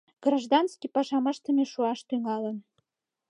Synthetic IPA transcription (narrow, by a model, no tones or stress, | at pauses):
ɡ̥raʒd̪ɑnskʲipɑʒɑmə̆ʃt̪ə̆mʲeʃuɑʃt̪yŋɑlə̆n